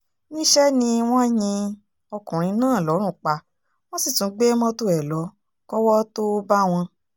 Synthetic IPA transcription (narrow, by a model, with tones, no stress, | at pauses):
nĩ˦ʃɛ˦nĩ˧w̃ɔ̃˦˨j̃ĩ˧ | ɔ˧kũ˨ɾ̃ĩ˨˧˦nãː˦˨lɔ˨˦ɾ̃ũ˦˨k͡pa˧ | w̃ɔ̃˦si˦˨tũ˨˦ɡ͡be˦mɔ̃˦to˧ɛ˨lɔ˨˦ | kɔ˦wɔ˦to˦ba˦w̃ɔ̃˧